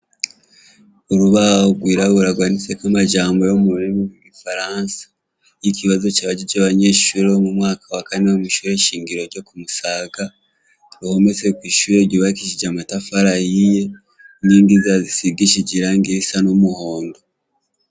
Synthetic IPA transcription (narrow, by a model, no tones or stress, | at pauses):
oɾuβaoɡwiːɾaβuɾaɡwaːnit͡sekamaʒaːmbo̞jomuɾimumiɡifaɾansḁ | jikiβazo̞caβaɟiɟaβaɲe̞ːʃuɾeomumŋaːkʰawakaneomuʃuɾe̞ʃiːŋɡiɾo̞ɾɟo̞kumusaːɡa | ɾuho̞me̞t͡sekwiːʃuɾeɟiβakiʃid͡ʒamatafaɾahije | niːndizazisiɡiʃiɟiɾaŋɡiɾisanomuho̞ːndo